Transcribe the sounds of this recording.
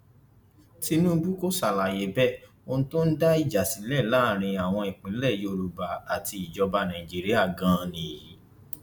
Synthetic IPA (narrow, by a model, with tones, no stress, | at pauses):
ti˧nũ˦bu˦ko˦sa˨la˨je˨˦bɛ˦ | o˧nũ˦to˦n̩˦da˦i˦˨d͡ʒa˨si˨˦lɛ˦˨la˦˨ɾ̃ĩ˧a˨w̃ɔ̃˧i˨k͡pĩ˨˦lɛ˦˨jo˧ɾu˧ba˨a˨ti˧i˨d͡ʒɔ˧ba˧˦nã˨ĩ˨d͡ʒi˦ɾi˦a˦˨ɡã˨˦˧nĩ˧˨ji˨˦